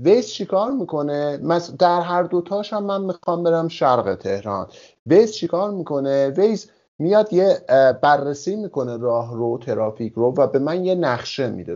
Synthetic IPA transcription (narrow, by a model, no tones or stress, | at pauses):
vejst͡ʃʰikʰɒːɾmiːkʰo̞nemæsd̪æɾɦæɾd̪o̞t̪ʰɒːʃhæmːænmixɒːmbe̞ɾæmʃæɾɣḛt̪ʰe̞hɾɒ̰ːn | vejst͡ʃʰikʰɒːɾmiːkʰo̞nevejz | mijɒd̪jebærːesiːmiːkʰo̞ne̞ɾɒːɦɾot̪ʰe̞ɾɒːficʰɾovæbe̞mænje̞næχʃe̞mḭd̪e